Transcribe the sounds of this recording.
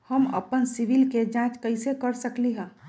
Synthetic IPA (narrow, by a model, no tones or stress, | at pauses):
həmə̰pənsiʋilked͡ʒãːt͡ʃkəɪsekəɾsəkliɦɛ̃ː